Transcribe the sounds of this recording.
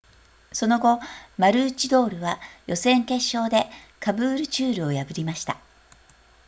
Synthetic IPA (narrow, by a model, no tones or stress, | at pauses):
so̞no̞ɡo̞maɾɯ̟ːt͡ɕid̪o̞ːɾɯ̟βajʔo̞sẽ̞ŋke̞ɕːo̞ːd̪e̞ | kabɯ̟ːɾɯ̟t͡ɕɨːɾɯ̟o̞jabɯ̟ɾʲimaɕi̥t̪a